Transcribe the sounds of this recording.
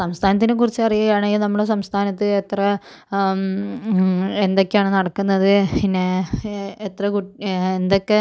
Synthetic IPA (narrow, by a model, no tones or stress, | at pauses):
sɐmst̪ʰaːnɐt̪̬ːink̬urit͡ɕːɨɐrijɐɐjaːɳɐjinɐmːuɽes̬ɐmst̪ʰaːnɐt̪ːɨet̪rɐ | end̪o̞kʲːeaːɳɨnɐɽɐkːunːɐðɨine | et̪rɐkuend̪okːe